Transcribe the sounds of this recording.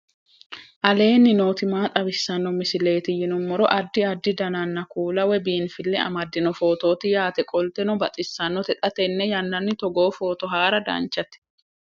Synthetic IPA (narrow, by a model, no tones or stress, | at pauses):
ʔɐle̞ːnːɪnoːt̪ɪmaːt̪ʼɐbɪsːɐnːɔmɪsɪle̞ːt̪ɪjɪnɔmːɔɾɔʔɐd̪ːɪɐd̪ːɪd̪ɐnanːɐkuːlɐwɛbiːnfɪlːɛɐ̰mɐd̪ːɪnɔfo̞ːt̪o̞ːt̪ɪjaːt̪ɛkʼɔlt̪ɛnɔbɐt̪ʼɪsːɐnːɔt̪ɛt̪ʼɐt̪ɛnːɛjɐnːɐnːɪt̪ɔɡo̞ːfo̞ːt̪ɔɦaːɾɐd̪ɐ̰nt͡ʃːɐt̪ɪ̥